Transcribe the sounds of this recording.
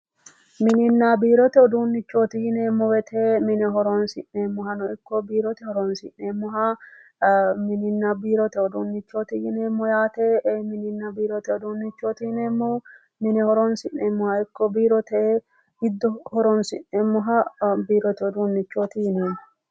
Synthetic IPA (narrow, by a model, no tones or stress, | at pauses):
mɪnɪnːabiːɾɔt̪ɛɔd̪uːnːɪt͡ʃːoːt̪ɪjɪneːmːɔwɛt̪ʰemɪnɛɦɔɾɔnsɪnːeːmːʊhɐnɔɪkːɔbiːɾɔt̪ɛhɔɾɔnsɪ̰nːeːmːʊɦa | mɪnɪnːabiːɾɔt̪ɛɔd̪uːnːɪt͡ʃːoːt̪ɪjɪneːmːɔjaːt̪eʔmɪnɪnːɐbiːɾɔt̪ɛɔd̪uːnːɪt͡ʃːoːt̪ɪhɪneːmːɔ | mɪnɛhɔɾɔnsɪnːeːmːʊhɐɪkːɔbiːɾɔt̪ɛ | ɪd̪ːɔhɔɾɔnsɪnːemːʊɦɐbiːɾɔt̪ɛɔd̪uːnːɪt͡ʃːoːt̪ɪjɪneːmːɔ